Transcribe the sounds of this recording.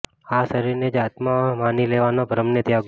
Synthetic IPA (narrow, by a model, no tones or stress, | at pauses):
asəɾiɾned͡ʒat̪mãmanileʋanobʱəɾəmnet̪jaɡ